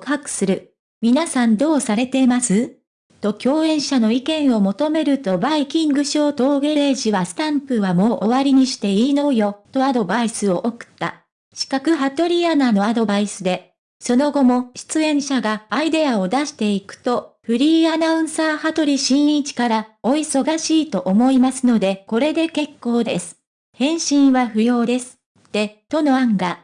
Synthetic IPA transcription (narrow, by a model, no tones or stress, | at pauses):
kɯ̟ɦakɯ̟̥sɨɾɯ̟ | mʲinasãnd̪o̞ːsaɾe̞t̪e̞imasɨ | t̪o̞kʲo̞ːẽɰ̃ɕano̞ikẽ̞ɰ̃o̞mo̞t̪o̞me̞ɾɯ̟t̪o̞baikʲĩŋɡɯ̟ɕo̞ːt̪o̞ːɡe̞eːʑiβasɨ̥t̪ãmpɯ̟βamo̞ːʔoβaɾʲiɲ̟iɕi̥t̪e̞iːno̞ːjo̞t̪o̞ad̪o̞baisɨo̞ʔokɯ̟̥t̪ːa̰ | ɕi̥kakɯ̟ɦat̪o̞ɾʲianano̞ad̪o̞baisɨd̪e̞ | so̞no̞ɡo̞mo̞ɕi̥t͡sɨẽ̞ɰ̃ɕaɡaːid̪e̞aod̪aɕi̥t̪e̞ikɯ̟̥t̪o̞ɸɯ̟ɾʲiːanaɯ̟̃ɰ̃saːhat̪o̞ɾʲiɕĩɰ̃it͡ɕi̥kaɾao̞iso̞ɡaɕiːt̪o̞ʔomo̞imasɨno̞d̪e̞ko̞ɾe̞d̪e̞ke̞kːo̞ːd̪e̞sɨ̥ | hẽ̞ɰ̃ɕĩɰ̃βaɸɯ̟jo̞ːd̪e̞sɨ̥ | t̪ːe̞t̪o̞no̞aŋɡa